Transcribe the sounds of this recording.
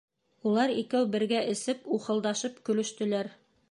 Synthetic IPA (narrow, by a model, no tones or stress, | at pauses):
ulˠɑɾikæwbɘ̆ɾɡæʔɘ̆sɘpuχɤ̆lˠd̪ɑʃɤpkɵ̆lɵ̆ʃt̪ɵ̆læɾ